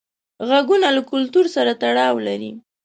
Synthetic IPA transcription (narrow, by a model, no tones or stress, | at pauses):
ɣaɡunalakʊlt̪uɾsaɾat̪aɽɑwlaɾḭ